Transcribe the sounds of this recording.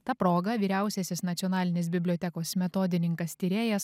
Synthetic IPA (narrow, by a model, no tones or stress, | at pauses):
t̪ɑːpɾoːɡɐʋʲiːɾʲæˑʊsʲɛsʲɪsnɐt̪sʲiɔnɑːlʲɪnʲeːsbʲɪbʲlʲoːt̪ʲɛkoːsmʲɛt̪oːd̪ʲɪnʲɪŋkɐst̪ʲiːɾʲeːjɛs